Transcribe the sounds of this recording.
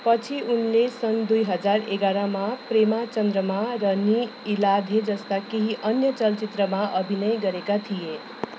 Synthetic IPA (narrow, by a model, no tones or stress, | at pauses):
pʌt͡sʰiʔunlesʌnd̪ujɦʌd͡zaɾḛɡaɾamapremat͡sʌnd̪ɾʌmaɾʌniːlad̪ʱed͡zʌst̪akeɦiʔʌnjʌt͡sʌlt͡sit̪ɾʌmaʔʌbʱinʌjɡʌɾekat̪ʰije